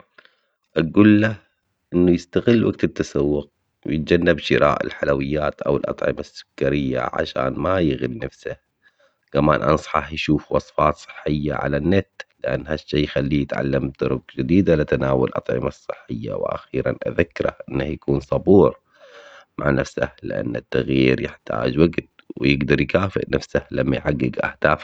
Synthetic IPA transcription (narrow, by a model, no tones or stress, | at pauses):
ʔaɡuːlːah | ʔɪnːujɪst̪aɣɪlːwaɡt̪t̪ːasawːʊq̚ | wjɪt̪̚d͡ʒanːabʃɪɾa̰ːʔɪ̰lħalawɪjːaːt̪ʔawɪlʔɑ̰t̪ˤʕɪ̰masːʊ̥kːaɾɪjːa̰ʕa̰ʃa̰ːnmajɪɣɪlnafsah | kamaːnʔɑ̰nsˤħɑħjʃuːfwɑsˤfɑːt̪sˤɨ̥ħːɪjːa̰ʕa̰lanːet̪lɪʔa̰nːhaʃːaːjxalːiːjɪt̪ʕa̰lːamt̪ʊɾʊɡd͡ʒɪd̪iːd̪alɪat̪anaːwalʔɑt̪ˤʕɪ̰masˤːɨħːɪjːa̰wʔa̰xiːɾa̰nʔa̰ðakːɪɾˤahʔɪnːahjakuːnsˤɑbuːɾ | maʕnafsa̰hlɪ̰ʔa̰nːat̪ːaɣjiiːɾjɪħt̪a̰ːd͡ʒwaɡt̪̚wɪjɪɡd̪ɑɾˤjkaːfɪ̰ʔnafsahlamːajħaɡːɪɡʔa̰hd̪aːf